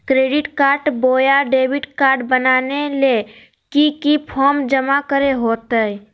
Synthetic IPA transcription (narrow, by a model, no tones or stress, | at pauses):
kɾeːɖɪʈkaːɾʈboːjaɖeːbɪʈkaːɾɖbənaːnele | kikipʰɔɾmd͡ʒəmakəɾeɦoːt̪əɛ